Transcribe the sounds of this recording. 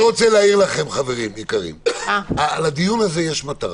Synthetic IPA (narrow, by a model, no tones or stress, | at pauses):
ʁot͡seleaiʁlaχe̞mχave̞ʁimikaʁḭmalad̪ijunaze̞jeʃmat̪aʁ